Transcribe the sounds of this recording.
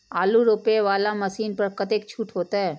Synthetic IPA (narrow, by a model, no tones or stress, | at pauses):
aːluɾoːpeʋaːlamɐsiːnpɐɾkɐt̪ek̚t͡ʃʰuːʈɦoːt̪aɦɛː